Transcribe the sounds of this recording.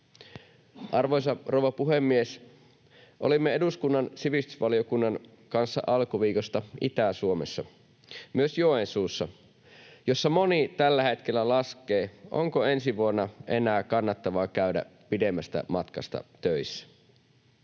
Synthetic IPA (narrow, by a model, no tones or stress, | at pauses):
ʔɑrʋojsɑrowʋɑpuɦemːies | ʔo̞̰limːeeduskunːɑnsiʋist̪y̥sʋɑliokunːɑn | kɑnsːɑ̰ʔɑlkuʋiːkost̪ɑʔḭt̪æsuomesːɑ | myøsjoensuːsːɑ | jo̞sːɑmo̞nit̪ælːæhe̞t̪k̟elːælɑskeːʔo̰ŋkoensiʋuonːɑenæːkɑnːɑt̪ːɑʋɑːkæydæ̰ | pidemːæst̪æ̰mɑt̪kɑ̰st̪ɑ̰t̪øisːæ̥